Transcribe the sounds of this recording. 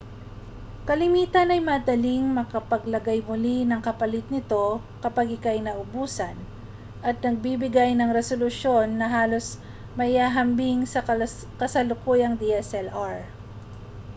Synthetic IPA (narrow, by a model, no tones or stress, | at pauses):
kɐlɪmiːt̪ɐnɐjmɐːd̪ɐliŋmɐkɐpɐɡlɐɡajmʊlinɐŋkɐpɐlɪt̪̚nɪt̪o̞ | kɐpaɡɪkajnɐʔʊbuːsɐn | ʔɐt̪̚nɐɡ̚bibɪɡajnɐŋɾɛsolʊʃo̞nːɐɦaːlo̞s | mɐjhaːɦɐmbiŋsɐ | kɐsɐlʊkuːjɐŋd̪iɛsɛlʔaɹ